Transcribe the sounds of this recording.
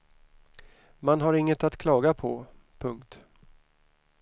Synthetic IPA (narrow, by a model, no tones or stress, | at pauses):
manɦaɾɪŋːət̪at̪kʰlɑːɡapʰɔpʰɵŋkt̪